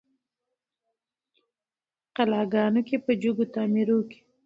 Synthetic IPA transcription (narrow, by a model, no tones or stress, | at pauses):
qalɑɡɑnokepəd͡ʒuɡot̪ɑmiɾoke̥